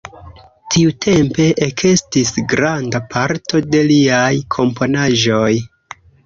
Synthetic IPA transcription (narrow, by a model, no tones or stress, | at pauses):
tʰiutʰe̞mpe̞ʔekʰe̞stisɡɾandapʰaɾtʰo̞de̞liajkʰo̞mpo̞naʒo̞j